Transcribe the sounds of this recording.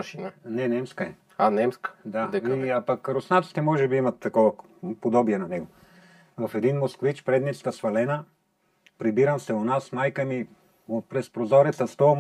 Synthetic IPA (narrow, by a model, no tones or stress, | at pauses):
ʃinənɛnɛmskəɛ | anɛmskə̥d̪aɛiapɐkɾosnat̪si̥t̪ɛmɔʒɛbiimɐt̪ːɐkɔvɐ | pod̪ɔbiɛnɐnɛɡo | vɐfɛd̪inmoskvit͡ʃpɾɛd̪nɛt͡ʃsk̪əsvɐlɛnə | pɾibiɾəmsɛonasmajkəmi | opɾɛspɾozɔɾɛt̪sɐst̪ɔ